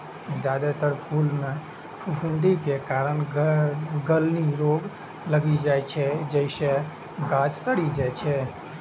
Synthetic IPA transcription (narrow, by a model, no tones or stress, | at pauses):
d͡ʒad̪et̪əɾpʰulmẽ | pʰupʰɪ̃ɳɖikekaɾəɳ | ɡəlniɾoːɡ | ləɡid͡ʒajt͡ʃʰɛd͡ʒəɪse | ɡãd͡ʒsəɽid͡ʒat͡ʃʰɛ